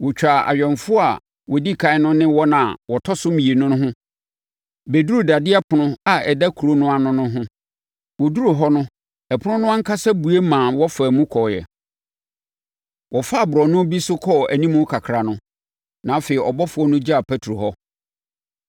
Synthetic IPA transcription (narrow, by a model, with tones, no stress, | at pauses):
wɔ˨t͡ɕᶣa˨a̰˨ɥᶣɛ̃˨nfʊ˦ɔ˦a˨ | wɔ˨di˦kʰã˨ɪ˦nʊ̃˦nɪ̃˦wɔ˦nã˨wɔ˨tʰɔ˦sʊ˦mĩ˨e˨nʊ̃˦nʊ̃˦ɦʊ̃˦ | be˨dɾu˦˨da˨dɪ˦a˦pʰʊ˨nʊ̃˦a˨ɛ˨da˦kʰu˨ɾo˦nʊ̃˦a˨nʊ̃˦nʊ̃˦ɦʊ̃˦ | wɔ˨du˦ɾo˨ɦɔ˦nʊ̃˦ | ɛ˨pʰʊ˦ʊ̃˦nʊ̃˦ã˦ŋ̩˦kʰa˦sa˦bu˨e˦mã˨wɔ˦fæː˨mũ˦kʰɔ˨jɛ̰˨ | wʔɔ˨fa˦˨bʊ˨ɾɔ˨nʊ̃˦bi˦sʊ˦kʰɔ˦æ˨nĩ˦mũ˦kʰa˨kʰɾa˨nʊ̃˦ | nã˨˦feː˨i˨ʔɔ˨bɔ˦fʊ˨ɔ˦nʊ̃˦d͡ʑa˦a˨pʰɛ˦tʰɾo˨ɦɔ˦